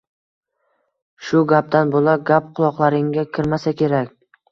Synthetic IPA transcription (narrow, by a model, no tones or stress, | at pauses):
ʃʊɡʲap̚d̪anbolaɡʲap̚qʰʊlˠɒqlˠaɾɪŋɡʲakʲʰɪɾmasakʲʰe̞ɾakʲ